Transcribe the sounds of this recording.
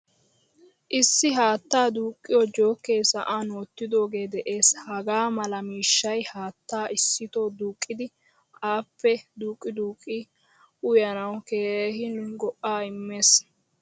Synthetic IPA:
ʔɪsːɪɦaːt̪ːaːd̪uːkʼːɪjɔd͡ʒo̞ːkːe̞ːsɐʔaːnoːt̪ːɪd̪o̞ːɡe̞ːd̪ɛʔe̞ːshɐɡaːmɐlɐmiːʃːɐjhaːt̪ːaːʔɪsːɪt̪oːd̪uːkʼːɪd̪ɪ | ʔaːpːɛd̪uːkʼːɪd̪uːkʼːi | ʊjɐnɐwkeːɦɪlʊnɡɔʔːaːɪmːe̞ːs

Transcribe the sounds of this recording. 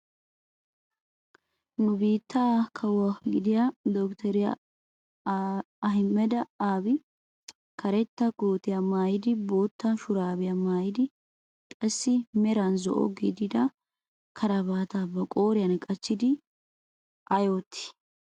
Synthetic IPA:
nʊbiːt̪ːaːkʰɐwːaɡɪd̪ɪjad̪ɔkt̪ɛɾɪja̰ | ɐɦɪmːɛd̪ɐaːbɪ | kʰɐɾɛt̪ːɐkʼoːt̪ɪjɐmaːjɪd̪ɪbo̞ːt̪ːɐnʃʊɾaːbɪjɐmaːjɪd̪ɪ | kʼɐsːɪmɛɾɐnzɔ̰ʔɔ̰ɡid̪ɪd̪ɐ | kʰɐɾɐbaːt̪abɐkʼo̞ːɾɪjɐnkʼɐt͡ʃːɪd̪ɪ | ʔɐjoːt̪ʰːɪ̥

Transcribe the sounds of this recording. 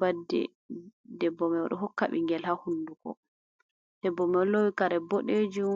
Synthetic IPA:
badːɛ̰ | dɛbːɔmɛwaɗɔɦɔkːaɓḭŋɡɛlhahundukɔ̰ | d̥ɛbːɔmɛlowikaɾɛbɔɗed͡ʒum

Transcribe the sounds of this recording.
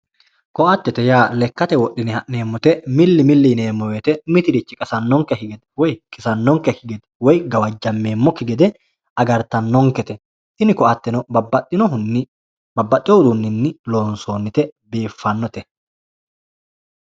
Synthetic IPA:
kɔʔɐt̪ːɛt̪ɛjaːlɛkːɐt̪ɛwɔʔːɪnɪhɐʔne̞ːmːɔt̪ɛmɪlːɪmɪlːɪne̞ːmːɔwet̪ɛmɪt̪ɪɾɪt͡ʃːɪkʼɐsɐnːɔŋkɛkɪɡɛd̪ɛwɔjkɪsɐnːɔŋkɛkɪɡɛd̪ɛ̥wɔjɡɐwɐd͡ʒːɐmːe̞ːmːɔkɪɡɛd̪ɛ | ʔɐɡɐɾt̪ɐnːɔŋkɛt̪ɛ | ʔɪnɪkɔʔɐt̪ːɛnɔbbɐʔɪnɔʊnːɪ | bɐbːɐtːɪjɔhʊd̪unːɪnːɪlo̞ːnsoːnːɪt̪ɛbeːfːɐnːɔt̪ɛ

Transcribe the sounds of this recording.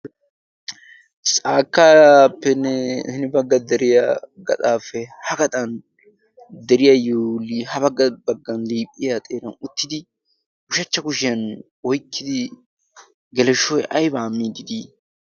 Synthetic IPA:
t͡sʼaːkːapːɛnːɛhɪnɪbɐɡːɐd̪ɛɾɪjaɡɐ̰t̪ʼaːfɛhɐkɐt̪ʼɐn | d̪ɛɾɪjajoːliːhɐβɐɡːɐbɐɡːɐnliːpʼːɪjat̪ʼeːɾɐnʊt̪ːɪd̪ɪ | kʊʃɐt͡ʃːɐkʊʃɪjɐn | wɔjkːɪd̪ɪ | ɡɛlɛʃɔjʔɐjbaːmːiːd̪ɪd̪i

